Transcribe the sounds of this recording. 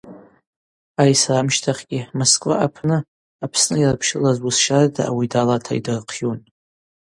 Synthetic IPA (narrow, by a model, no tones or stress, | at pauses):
ajsramʃtʰaχʲɡʲɪmoskʼva̰ʔapʰnɨ | apʰsnɨirapʰʃɪlazwusʃarda̰ʔawidalatʰa̰idɨrqʰjun